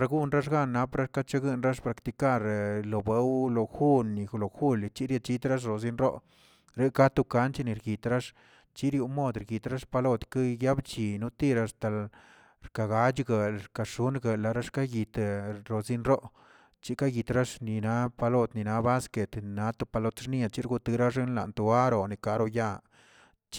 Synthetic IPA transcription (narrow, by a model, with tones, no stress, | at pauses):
ɾa˧ɡu˦nɾa˦ʂ̬ɡa˦nːa˧˦pɾa˦ʂka˦t͡ʃa˦ɡɨ˧˨nɾa˦ʂpɾa˨˧kt̪i˧ka˦˧ɾlo˨be˧˦wlo˨xu˦nːi˨xlo˨xu˦lt͡ʃi˦ɾja˧t͡ʃi˧t̪ɾa˦ʂ̬ɾo˨z̬i˦nɾo̰˦ʔ | ɾe˦ka˦t̪u˧ka˧˦nt͡ʃe˦ni˨ɾɡi˨t̪ɾa˦ʂ | t͡ʃi˦ɾju˧mo˦˨d̪ɾɡi˨t̪ɾa˦ʂpa˧lo˦t̪ka˦ja˦bt͡ʃi˨nu˦t̪i˦˧ɾa˨˧st̪a˨l | ɾka˨ɡa˧˦d͡ʒɡa˨ɾka˨ʂu˦nɡə˨la˨ɾa˦ʂka˦ɡi˨t̪ɾo˨zi˦nɾo˦ʔ | t͡ʃi˦ka˦ɡi˨t̪ɾa˦ʂni˨na˦pa˧lo˧t̪ni˨na˧ba˦ske˨t̪na˧˦t̪u˧˦pa˧lo˧t̪ʂni˦a˨t͡ʃi˦ɾɡu˧t̪ɨ˧ɾa˦ʂe˦nla̰˨nt̪u˧a˦ɾo˨ni˨ka˨ɾo˧ja˧˨ | t͡ʃ